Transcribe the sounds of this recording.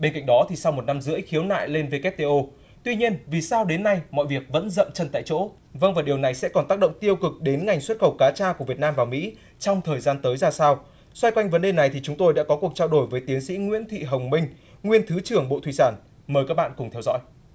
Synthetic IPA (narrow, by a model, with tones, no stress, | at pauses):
ɓe˧nka̰˧˨ŋ̟ɗɔ˨˦t̪ʰi˨˩sa˧wmo˨˩t̚na˧mzɨ̰˧˥əjxi˨˦əwna̰ː˧˨jle˧nve˧kɛ˦˥t̚t̪e˧ʔo˧ | t̪wi˧ɲi˧ənvi˨˩saː˧wɗe˨˦nːa˧jmɔ̰˧˨jvi˨˩ək̚və̰˧˥nzə̰˧˨mt͡ɕə˧˩nt̪a̰ː˧˨jt͡ɕo̰˧˥ | və˧ŋvaː˨˩ɗi˨˩əwna˨˩jsɛ̰˧˥kɔ˨˩nt̪aː˦˥k̚ɗə̰˧˨wŋ͡mt̪i˧əwkɨ˨˩k̚ɗe˨˦nŋa˨˩jŋ̟swə˦˥t̚xə˧˩wkaː˨˦t͡ɕaː˧ku˧˩əvi˨˩ət̚naː˧mvaː˨˩wmḭ˧˥ | t͡ɕɔ˧wŋ͡mt̪ʰəː˨˩jzaː˧nt̪əː˨˦jzaː˧saː˧w | swa˧jkwa˧jŋ̟və˨˦nɗe˧˩na˨˩jt̪ʰi˨˩t͡ɕʊ˨˦ŋ͡mt̪o˧jɗa̰ː˧˥kɔ˨˦ku˨˩ək̚t͡ɕaː˧wɗo˧˩jvəː˨˦jt̪i˨˦ənsḭ˧˥ŋwḭ˧˥ənt̪ʰwḭ˧˨ɦə˨˩wŋ͡mmï˧ŋ̟ | ŋwi˧ənt̪ʰɨ˨˦t͡ɕɨ˨˩əŋɓo̰˧˨t̪ʰwi˧˨saː˧˩n | məː˨˩jka˦˥k̚ɓa̰ː˧˨nkʊ˨˩ŋ͡mt̪ʰɛ˧wzɔ̰˧˥j